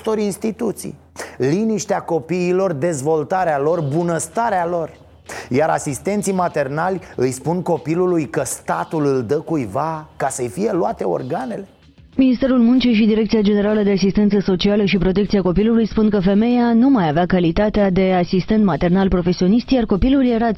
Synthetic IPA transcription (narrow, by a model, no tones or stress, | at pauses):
t̪o̞ɾinst̪it̪ut̪sḭj | liniʃt̪eako̞piːlo̞rd̪e̞zvo̞lt̪aɾealo̞rbunəst̪aɾealo̞r | jaɾa̰sist̪e̞nt̪simat̪e̞rnalʲɨjspunko̞pilulujkəst̪at̪ulɨld̪əkujvakasəjfije̞luat̪e̞o̞̰rɡane̞le̞ | minist̪e̞ɾulmunt͡ʃiʃid̪iɾekt̪siad͡ʒe̞ne̞ɾaləd̪e̞asist̪e̞nt̪səso̞t͡ʃialəʃipɾo̞t̪̬ekt̪siako̞pilulujspunkəfe̞me̞janumajaveakalit̪at̪ead̪e̞asist̪e̞nt̪mat̪e̞rnalpɾo̞fe̞sio̞niʃt̪jarko̞pilulje̞ɾa